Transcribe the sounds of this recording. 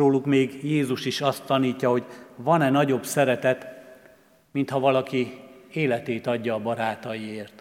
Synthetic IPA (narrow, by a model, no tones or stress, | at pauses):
oːlukmeːɡjeːzuʃiʃɒst̪ːɒniːcːɒɦo̞ɟvɒnɛnɒɟo̞bsɛɾɛt̪ɛt̪ | mint̪hɒvɒlɒkieːlɛt̪eːt̪ɒɟːɒːbɒɾaːt̪ɒjieːrt̪